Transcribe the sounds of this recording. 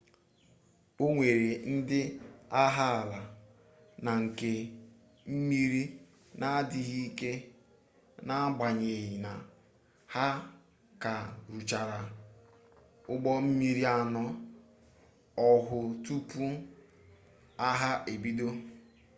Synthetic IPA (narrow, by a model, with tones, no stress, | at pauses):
o˦ŋʷe˨ɾe˨n̩˦dɪ˦a˦ɦa˦˨la˨ | na˨ŋ̩˨ke˨ | m̩˦mi˦ɾi˦ | na˦dɪ˨ɣi˦ke˦ | na˦ɡ͡ba˨ɲe˨ɦɪ˨na˨ | ha˦ | ka˨ɾu˨t͡ʃa˨ɾa˨ | ʊ˦ɡ͡bɔ˦m̩˦mi˦ɾi˦a˦nɔ˦ | ɔ˦ɦʊ˨tu˦pu˦ | a˦ɦa˦ʔe˨bi˦do˦